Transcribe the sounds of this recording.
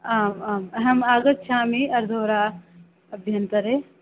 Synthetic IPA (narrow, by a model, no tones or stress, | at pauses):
aːmːmɐɦɐmaːɡɐt̪ʃʰaːmiɐɾd̪ʱoːɾaː | ɐbʱjɐnt̪ɐɾe